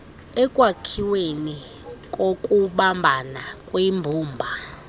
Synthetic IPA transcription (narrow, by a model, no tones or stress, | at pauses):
ɛkʼwakʰiweni | kʼokʼuɓambʱanakʼwimbʱuːmbʱa